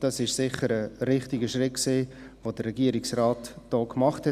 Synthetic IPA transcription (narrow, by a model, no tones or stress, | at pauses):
d̥ɑsɪʃsɪχːəɾəɾɪχtiɡəʃɾɪtksiː | ʋod̥ərːɛɡiəɾiksrɑːtd̥oːkmɑχthɛ